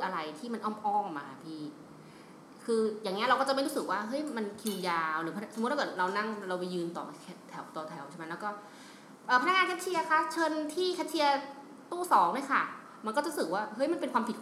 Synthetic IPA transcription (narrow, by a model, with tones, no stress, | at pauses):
ʔa˧ɾa˧jt̪ʰiː˥˩ma˧nʔɔː˥˩mʔɔː˥˩ŋ˨˩maː˧pʰiː˥˩ | kʰɯː˧jaː˨˩ŋːni˦˥ɐɾa˧wkɔː˥˩t͡ɕa˨˩pɾuː˦˥sɯ˨˩k̚waː˥˩ɦɤ˦˥jma˧nkʰi˧jaː˧wɾɯː˩˦pʰa˧na˧˥so˨˩m˦˥t̪̚hʰk̪̚ːɾa˧wna˥˩ŋɾa˧wa˧jɯː˧nt̪ɔ̰ː˨˩ɛ˧˩t̪ʰːɛ˨˩˦wt̪ɔː˨˧˩t̪ʰɛ˩˦wt͡ɕʰɛ˥˩ma˦˥lːkɔː˥˩ | ʔɤː˨˩pʰna˦˥ŋaː˧nkʰt̪̚t͡ɕʰi˧ɐ˧kʰa˦˥˩t͡ɕʰɤː˧nt̪ʰiː˥˩kʰɛ˦˥t̚t͡ɕʰi˧ɐ | t̪uː˥˩sɔː˩˦ŋdu˦˥˩jkʰa˥˩ | ma˧nkɔ˥˩t͡ɕaː˦˧˦sɯ˨˩k̚waː˥˩hɤ˦˥jma˧npe˧nkʰwaː˧pʰi˨˩